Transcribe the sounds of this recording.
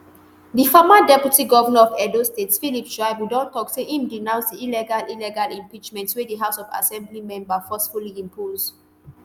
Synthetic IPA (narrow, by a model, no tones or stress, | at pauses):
difɔmadɛpjutiɡɔvanaɔvɛdostetsfilipʃɹaɪbwidɔ̃ntɔkseʔĩmdinãʊ̃nsdiilɛɡalilɛɡalĩmpit͡ʃmɛ̃ntswediɦaʊsɔva̰sɛ̃mblimɛ̃mbafɔsfuliĩmpʰoz̥